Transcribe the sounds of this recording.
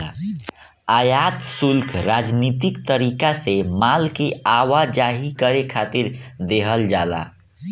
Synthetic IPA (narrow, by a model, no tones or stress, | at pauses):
ajat̪sulkʰɾad͡ʒnit̪ikt̪əɾikasemalkeawad͡ʒaɦikəɾekʰat̪iɾd̪eɦəld͡ʒala̰